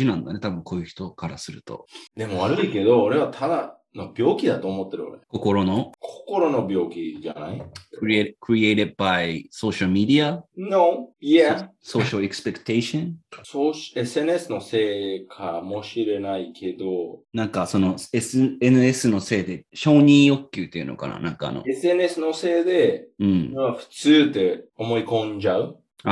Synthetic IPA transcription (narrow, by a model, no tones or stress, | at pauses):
inãnd̪ane̞t̪abɯ̃ŋko̞ːjɯ̟çʲi̥t̪o̞kaɾasɨɾɯ̟t̪o̞̰d̪e̞moβaɾɯ̟ike̞d̪o̞ːɾe̞βat̪ʰad̪a | no̞bʲjo̞ːkʲid̪at̪o̞ːmot̪ːe̞ɾɯ̟o̰ɾeko̞ko̞ɾo̞no̞kʰo̥ko̞ɾo̞no̞bʲo̞ːkʲid͡ʒa̰na̰i | kɾieːɾed̪̚baiso̞ːɕaɾɯmʲid̪ianojaso̞ːɕaɾeksɨ̥pekɯ̥t̪e̞iɕõnsoɕesɨe̞nesɨno̞se̞ːkʰamo̞ɕiɾe̞naikʰe̞d̪o̞nãŋkaso̞no̞esenɯ̟e̞sɨno̞se̞ːd̪e̞ɕo̞ːɲ̟ĩɰo̞kʲːjɨːt̪ːeiɯ̟̰no̞̰ka̰na̰nã̰ŋka̰ːno̰esɨe̞nesɨno̞se̞ːd̪e̞ɯ̟̃ɴaɸɯ̟̥t͡sɨːd̪e̞o̞mo̞ikõ̞ɲd͡ʑaɯ̟ | a